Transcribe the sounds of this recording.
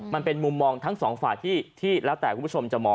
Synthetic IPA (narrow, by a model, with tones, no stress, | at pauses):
ma˧npe˧nmu˧mːɔː˧ŋt̪ʰa˦˥ŋsɔː˩˦ŋfaː˨˩jt̪ʰiː˥˩t̪ʰiː˥˩lɛː˦˥wt̪ɛː˨˩kuː˧˦˥o˧mt͡ɕa˨˩mɔː˧